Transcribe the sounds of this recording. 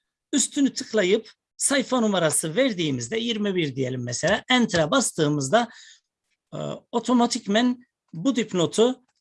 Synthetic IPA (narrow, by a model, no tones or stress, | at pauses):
yst̪ʰynyt̪ʰɯklˠajɯp | sajfanumaɾasɯvæɾd̪iːmizd̪ɛjiɾmibiɾd̪ijelʲimːɛselʲaːʔænt̪ʰɾabast̪ɯːmɯzd̪a | o̞t̪ʰo̞mat̪ʰicmæn | bud̪ipno̞t̪ʰu